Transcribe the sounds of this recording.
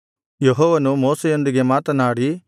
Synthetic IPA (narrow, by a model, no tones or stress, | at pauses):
jeɦɔːʋɐnumoːsejo̞nd̪iɡe̞maːt̪ɐnaːɽi